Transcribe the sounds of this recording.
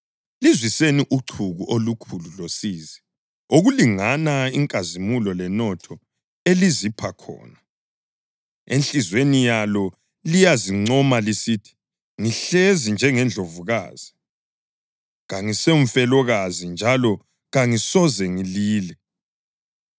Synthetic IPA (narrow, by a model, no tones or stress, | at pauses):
lizwiseniʔuǀʰuɣuʔolukʰululosiːzi | oɣuliŋanaiŋkʼazimulɔlɛnɔtʰɔ | elizipʰakʰɔ̰ːna | enɬizwenijalɔ | lijaziŋ͡ǀɔmalisitʰi̥ | ŋiɬezind͡ʒʱɛŋɛnd͡ɮʱovuɣa̰ːz̥i | ɣaŋiseuɱm̩fɛlɔɣazind͡ʒʱalɔ | ɣaŋisɔzɛŋiliːlɛ